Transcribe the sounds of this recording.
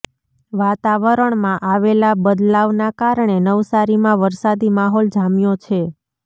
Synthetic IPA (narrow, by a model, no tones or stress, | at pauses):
ʋat̪aʋəɾəɳmãʔaʋelabəd̪laʋnakaɾɳenəʋsaɾimãʋəɾsad̪imaɦɔld͡ʒamjot͡ʃʰe